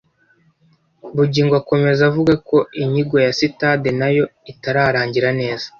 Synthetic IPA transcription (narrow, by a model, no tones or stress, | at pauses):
βuɟiːŋɡwako̞me̞zavuɡako̞iɲiɡo̞jasitade̞najo̞itaɾaːɾaːɲɟiɾane̞ːzḁ